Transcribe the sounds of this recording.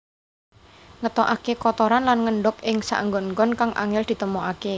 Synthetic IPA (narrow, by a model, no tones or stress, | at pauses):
ŋət̪ɔʔakekɔt̪ɔɾanlanŋəɳɖʊkɪŋsa̰ʔŋɡɔnŋɡɔnkaŋʔa̰ŋɛld̪̥i̤t̪əmoake